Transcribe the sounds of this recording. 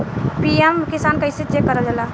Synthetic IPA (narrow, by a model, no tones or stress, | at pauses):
piemkɪsaːnkəised͡ʒekəɾad͡ʒalaː